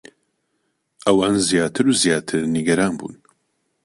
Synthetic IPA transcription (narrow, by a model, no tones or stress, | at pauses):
ʔɐwaːnzjaːt̪ʰɨɾuzjaːt̪ʰɨɾniɡɐɾaːnbṵːn